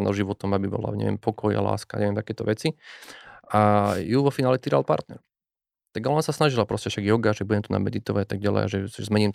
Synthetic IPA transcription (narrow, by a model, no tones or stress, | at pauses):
nɔʒiʋɔt̪ɔmabibɔ̰la̰ɲɛ̰ʋɛ̰mpʰɔkʰɔja̰la̰ːskaɲɛʋjɛmt̪akɛːt̪ɔ̰ʋɛt͡si | ʔajuʋɔfinaːlɛt̪iɾa̰lpa̰ɾt̪nɛɾ | t̪aɡaɔnasasnaʒilapɾɔscɛfʃaɡjɔɡaʒɛbuɟɛmt̪una̰mɛd̪it̪ɔʋaɟat̪aɡ̚ɟalɛ̰jaʒɛʒɛzmɛɲiːmt̪